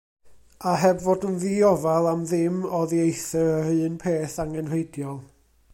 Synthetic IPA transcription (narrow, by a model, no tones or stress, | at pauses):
aɦɛbvoːdənðiɔvalˠamðɪmɔðiejθəɾərɨːnpʰeːθaŋɛnreɨdjɔlˠ